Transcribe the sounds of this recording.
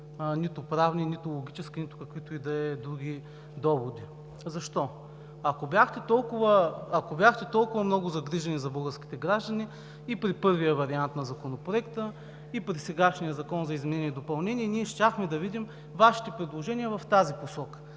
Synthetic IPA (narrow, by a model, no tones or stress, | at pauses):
nit̪ʊpɾavninit̪ʊlˠoɡʲit͡ʃɛskʲinit̪ʊ̥kɐkvit̪ʊid̪ɐɛd̪ɾuɡ̟ʲi | d̪ɔvod̪i | zɐʃt̪ɔ | ɐkobjaxt̪ɛt̪ɔlˠkʊvəːkobʲjaxt̪ɛt̪ɔlˠkʊvɐmnɔɡʊzɐɡɾiʒɐnizɐbɤɡəɾskʲi̥t̪ɛɡɾaʒd̪ɐni | ipɾipɤɾvijəvɐɾiant̪nɐzɐkonopɾoɛkt̪ə | ipɾisɛɡaʃnijəzɐkɔnzɐizmɛnɛniɛd̪opɐlˠnɛniɛniɛʃt̪ʲaxmɛd̪ɐvid̪im | vaʃi̥t̪ɛpɾɛd̪lˠoʒɛnʲiəvɐft̪aziposɔkə̥